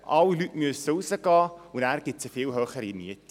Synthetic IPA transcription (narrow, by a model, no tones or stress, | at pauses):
ʔɑwilytmyəssowsəɡɑːunæːrɡɪtsəfiːlɦøːχəɾiniət